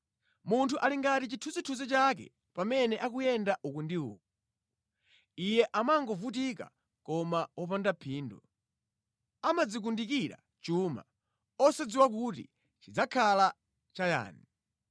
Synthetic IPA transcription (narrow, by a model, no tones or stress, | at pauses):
muntʰuʔaliŋɡatit͡ʃitʰuzitʰuzit͡ʃakɛ̰ | pamɛnɛʔakujɛndaʔukundiṵːkɔ | ijɛʔamaŋɡɔvut̬ika̰ | kɔmaɔpandapʰiːndɔ | amad͡zik̬undikiɾa̰ | t͡ʃuːma̰ | ɔsad͡ziwak̬utḭ | t͡ʃid͡zakʰala | t͡ʃaja̰ːni